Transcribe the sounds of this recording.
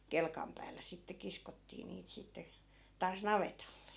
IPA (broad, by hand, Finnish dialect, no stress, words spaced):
kelkɑm pæːlːæ sitːe kiskotːiː niːt sitːe tɑːs nɑʋetɑlːe